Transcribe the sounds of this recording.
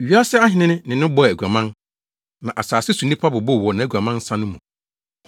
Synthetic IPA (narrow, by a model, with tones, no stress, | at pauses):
ɥi˦a˦sɛ˦a˦hɪ̃˨˦nɪ̃˦nɪ̃˦nɪ̃˨nɪ̃˦bɔ˦˨æ˨ɡʷu˨a˨mã˦n | nã˨ʔa˨saː˨sɪ˦sũ˨nĩ˦pʰa˦bʊ˨bɔ˦˨wɔ˨nã˨æ˨ɡã˨mã˦n˦sã˦nʊ̃˦mũ˨